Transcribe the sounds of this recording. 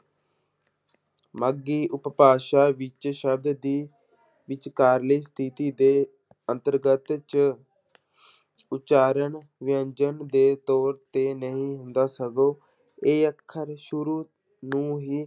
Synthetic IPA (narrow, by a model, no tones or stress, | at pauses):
məɡiːʔʊppaːʃaːʋɪt͡ʃʃəb̚d̪d̪iː | ʋɪt͡ʃkaːɾliːst̪ʰit̪iːd̪eː | ənt̪əɾɡət̪t͡ʃ | ʊt͡ʃaːɾəɳ | ʋɪjəɲd͡ʒənd̪eːt̪ɔːɾt̪eːnəɦĩːɦʊnd̪aːsəɡoː | eːəkʰːəɾʃʊɾuː | nũːɦiː